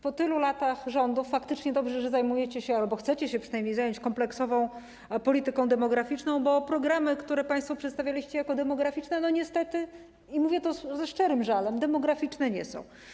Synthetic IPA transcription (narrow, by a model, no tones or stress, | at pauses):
pɔt̪ɘlulat̪axʐɔnd̪ufːakt̪ɘt͡ʂɲɛd̪ɔbʐɛʐɛzajmujɛt͡ɕɛɕɛalbɔxt̪sɛt͡ɕɛɕɛpʂɘnajmɲejzajɔ̃ɲt͡ɕkɔmplɛksɔvɔ̃w̃ | pɔlʲit̪ɘkɔ̃w̃d̪ɛmɔɡɾafʲit͡ʂnɔ̃w̃bɔpɾɔɡɾamɘkt̪uɾɛpaj̃st̪fɔpʂɛt̪st̪avʲjalʲiɕt͡ɕɛjakɔd̪ɛmɔɡɾafʲit͡ʂnɛnɔɲɛst̪ɛt̪ɘ | imuvʲjɛt̪ɔzɛʂt͡ʂɛɾɘmʐalɛmd̪ɛmɔɡɾafʲit͡ʂnɛɲɛsɔ̰̃w̃